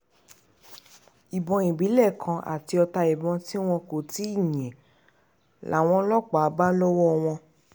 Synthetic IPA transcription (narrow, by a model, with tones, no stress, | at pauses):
i˨bɔ̃˧i˨bi˨˦lɛ˦˨kʰã˧ʔa̰˨ti˧ɔ˧ta˧i˨bɔ̃˧ti˦w̃ɔ̃˧ko˨ti˦i˦˨ɲ̃˨ɛ̃˨ | la˨˦˨w̃ɔ̃˧˦lɔ˦k͡pa˨a˨˧˦ba˦lɔ˦wɔ˦˧w̃ɔ̃˧